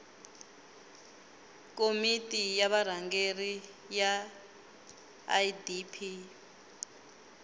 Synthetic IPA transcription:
komitʼijaβar̤aŋɡeri | ja | jdipʰi

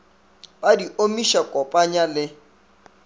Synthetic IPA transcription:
badiomiʃakʼɔpʼaɲalɪ

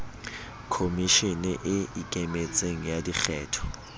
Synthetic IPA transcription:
kʰomiʃinɛʔɪikʼɛmet͡sʼeŋ̩jadik͡xʰɛːtʰɔ̥

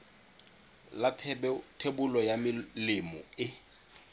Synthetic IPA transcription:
latʰebʊlɔjamɪlɪmɔɪ

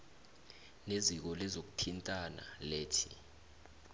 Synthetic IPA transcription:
nezik̬ɔlɛzok̬u̥tʰintʼana̰leːtʰḭ

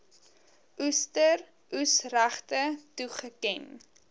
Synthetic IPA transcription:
ʔustər | ʔusræχtətuχəkɛn

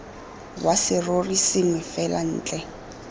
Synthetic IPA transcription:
wasɪrorisɪmɪfɛlan̩ːt͡ɬʼɛ

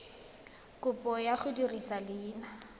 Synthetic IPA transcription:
kʼʊpʼɔjaχʊdirisalɪːna

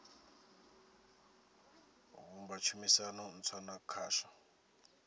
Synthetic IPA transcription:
ɣumbat͡ʃʰumisanɔn̩t͡sʰwanakʰaːʃa

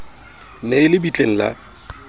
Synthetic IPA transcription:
neɪlɪbit͡ɬʼeŋ̩la̰

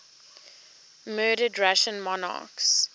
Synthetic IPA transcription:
mɜːɾədɹaʃə̃nmɔnɑ̰ːˑks

